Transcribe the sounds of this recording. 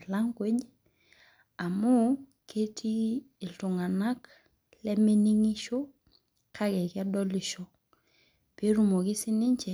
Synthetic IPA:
la˦ŋkwe˦ɟ | a˨mo˦kʰe˦tʰi˦ | i˨ltu˨ŋa˨na˦k | le˦me˦ni˦ŋi˦ʃo˦ | kʰa˦ɡɛ˨ka˦dɔ˦li˨ʃo˦ | pe˦ɾu˨mo˨ki˦si˦ni˦ɲt͡ʃɛ˨

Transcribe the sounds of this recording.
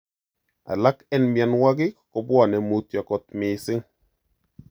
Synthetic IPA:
a̰˨la˦kɛ˦nmja˨nwa˦ɡɪ˦kkɔ˦bwa˨nɛ˨mu˦t̪ja˨kɔ˦t̪̚mɪ˨sɪ˦ŋ

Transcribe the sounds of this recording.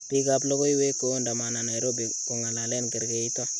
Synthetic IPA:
pi˦ka˦plo˦ko˦jwe˦kːo˨˦nda˨ma˨na˨na˨jɾo˦bi˨ku˨ŋa˨la˨le˦nke˨ɾke˨i˦to˦

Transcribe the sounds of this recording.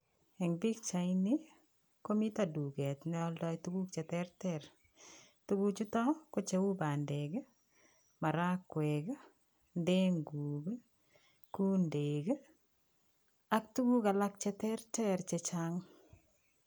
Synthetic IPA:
ɛ˨ŋbi˦k̚t͡ʃa˨ɪni˦ | ko˦mi˦ta˨du˨ɡɛ˨t̪n˦ɔ˦ldɔ˦jtu˦ɡu˦kt͡ʃɛ˨tɛ˦ɾtɛɾ | tu˦ɡu˦t͡ʃu˦tɔ˦ko˦t͡ʃe˦wu˦ba˨nde˨ɡ | ma˨ɾa˦kːwɛ˨k | nde˦ŋɡu˨ɡ | ku˦nde˨ɡ | a˦k̚tu˦ɡu˦ka˨la˦k̚t͡ʃɛ˦tɛ˦ɾtɛ˦ɾt͡ʃe˨t͡ʃaŋ

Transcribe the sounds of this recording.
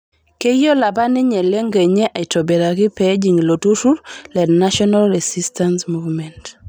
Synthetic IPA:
ke˦jo˦la˨ba˦nɪ˦ɲɛ˨le˦ŋɡe˨ɲɛ˦ʔa˨ɪ˨to˨be˨ɾa˨kɪ˦pɛ˦d͡ʒi˨ŋ˨lo˨tu˦ɾu˦ɾlɛ˨dna˦ʃɔnalɾɛsi˦stʰansmuvmɛ˨nt

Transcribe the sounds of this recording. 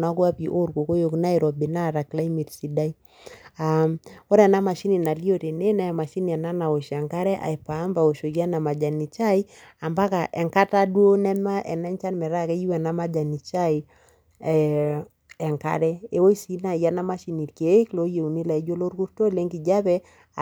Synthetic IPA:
na˨˦kwa˦pi˨ʔo˦ɾko˨ko˦jo˨kna˦i˨ɾɔ˨bi˨na˦ɾa˨kla˦i˦mi˨tsi˨da˦i˦ | a˨mo˦ɾɛ˨na˦ma˨ʃi˦ni˨na˨li˦o˦˨te˨ne˦na˦a˨ma˨ʃi˦ni˨ɛ˨na˦na˨wo˨ʃɛ˨ŋka˦ɾɛ˦ʔa̰˨jpa˨˦mba˨o˨ʃo˨kːa˦na˨ma˨d͡ʒa˨ni˨t͡ʃa˦i˦a˨mba˦ka˨ʔɛ˨ŋka˦ta˦du˦o˦nɛ˦ma˦ʔɛ˨nɛ˦ɲt͡ʃa˦nmɛ˨ɾa˦kɛ˦ji˦wɛ˨na˦ma˦d͡ʒa˨ni˨t͡ʃa˦i | ɛ˨ŋka̰˦ɾɛ˦e˨˦wo˦i˦si˨˦na˨ja˦na˦ma˦ʃi˨ni˨tke˨˦klo˦je˨u˨ni˦la˨i˦d͡ʒo˦lo˦ku˦ɾto˦le˦ŋɡi˨d͡ʒa˦pɛ˦˨

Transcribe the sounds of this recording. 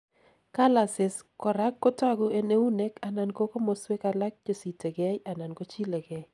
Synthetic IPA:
ka˦la˨sɪ˨skɔ˨ɾa˦kːo˦ta˦ɡʊ˦e˦ne˦u˦ne˦ka˨na˨nko˦ko˦mo˨swe˦ka˨la˦k̚d͡ʒo˨si˨te˨ɡɛ˦ja˨na˨nko˦t͡ʃi˦le˨ɡɛ˨

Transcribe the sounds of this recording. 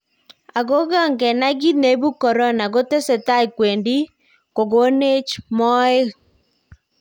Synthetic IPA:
a˨ɡo˦ɡa˦˨ŋɡɛ˨na˦ɡi˦ne˦bu˦kɔ˨ɾɔ˦na˨ɡo˦te˦sɛ˨ta˦kwe˨ndi˦ | ko˨ɡo˦ne˦t͡ʃmɔ˦ɪ˦

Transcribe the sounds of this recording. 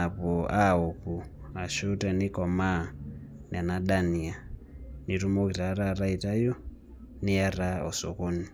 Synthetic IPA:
a˨poa˦o˨ku˨a˨ʃu˦ta˨ni˦kɔ˨ma˦˨ | n˨a˨na˦ɗa˦ni˨a˨ | ni˨ɾu˦mo˦ki˨ɾa˨˦ɾa˦˨ɾa˦i˨ta˦jo˦ | ni˦a˦ra˦o̰˨so̰˨ko˦ni˨

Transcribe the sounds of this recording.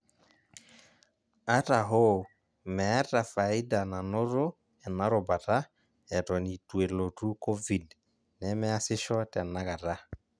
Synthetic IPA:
a˦ta˨ɦo˦ | mɛ˨a˦ta˨fa˨ɪ˦da˨na˨no˦ɾo˦ | ɛ˨na˦ɾo˨ba˨ta˦ | ɛ˨tɔ˨ni˨twe˨lo˨tu˦ko˦vi˨d | nɛ˨mɛ˦a˦sɪ˦ʃɔ˦tɛ˨na˦ka˨ta˦

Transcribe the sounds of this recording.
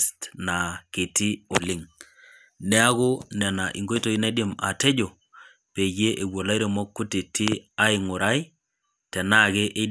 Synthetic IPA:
stna˨ke˨ti˦o˨lɪ˦ŋ | nɛ˦a˦ɣʊ˦nɛ˨na˨ʔi˨ŋɡo˦i˦to˨i˦ne˦di˦ma̰˨te˦ɟo˨ | pe˨je˦ʔe˨wo˨la˦i˦ɾe˨mɔ˦kːʊ˦ti˨tʰi˦a˦ɪ˨ŋʊ˨ɾa˦i˦ | tɛ˨na˦˨ɣe˦ʔe˦

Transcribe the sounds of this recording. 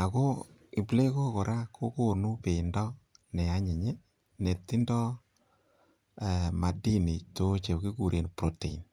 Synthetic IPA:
a˨ko˦ | i˨ple˦ko˦ko˨ɾa˦kʰo˦ko˦nu˦pe˨ndɔ˦nɛ˨a˦ɲe˨ɲe˦ | ne˨tːi˦ndɔ˦ | ɛ˨ma˨di˦ni˨to˦t͡ʃe˨ki˦ku˨ɾe˨npɾo˦te˨i˨n

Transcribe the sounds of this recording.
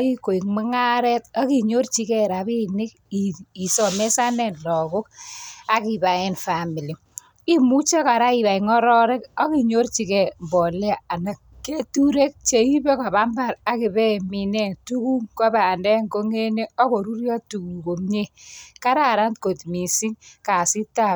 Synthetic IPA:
i˦ko˨i˨kme˦ŋa˦ɾɛ˦ta˦ki˨ɲo˦rt͡ʃi˦kɛ˦ɾa˨βi˦nɪ˦k | ii˨sɔ˨me˦sa˦nɛ˦˨nlɔ˨kʊ˦k̚a˨ki˨ba˨e˦nfa˨mi˨li˨ | i˦mu˦t͡ʃa˦ka˨ɾa˦i˨βa˨i˨ŋɔ˦ɾɔ˦ɾɛ˦kɔ˦ki˨ɲo˦rt͡ʃi˦kɛ˨mbɔ˨ljaː˨na˨k | kːe˦tu˦ɾe˦k̚t͡ʃe˨i˦be˦ka˨βa˦mba˦˨ɾa˨kɪ˨bɛ˦˨mi˨nɛ˦˨tu˦ku˦ŋkɔ˦ba˨ndɛ˦ŋko˦ŋe˦ne˦ɔ˦ko˨ɾu˦ɾja˦tu˨ku˨ko˨mɲe˦ka˦ɾa˦˨ɾa˦ntko˨t̪mi˨si˦ŋka˨si˦ta˦

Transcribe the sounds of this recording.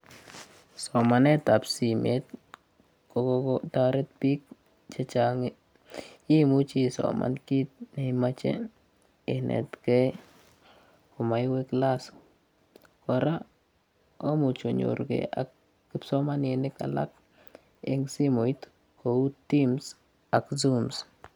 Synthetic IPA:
sɔ˨ma˨nɛ˦ta˨psi˨met̚ | kokkɔta˦ɾɛ˦t̚pi˦k̚ | t͡ʃe˦t͡ʃaŋi | i˦mu˦t͡ʃi˦˨sɔ̰ma̰˨nki˦t̪̚nɛ˨ima˦t͡ʃḛ | ɪnʔɛ̰˨tkɛ˦ | ko˨ma˨jwe˦klas | kɔ˨ɾa | o˦mu˨t͡ʃo˨ɲo̰ɾɡḛa̰kː | i˦psɔ˦ma˦ne˨nɪ˦ka̰˨la̰˦k̚ | eŋsi˦mo˨jt | ko˨u˦tːims | a˨kzums

